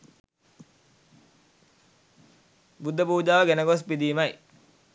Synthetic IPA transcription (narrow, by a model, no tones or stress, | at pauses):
bud̪ʱːəpuːd͡ʒaːʋəɡenəɡos̬pid̪iːmɐj